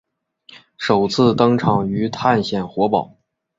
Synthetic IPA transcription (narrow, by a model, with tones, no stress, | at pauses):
ʂo˨˩ʊt͡sʰɹ̩˥˩t̪ɤ˥ŋʈ͡ʂʰɑ˨˩ŋy˧˥t̪ʰa˥˧nɕjɛ˨˩nxwɔ˧˥pɑ˨˩˦ʊ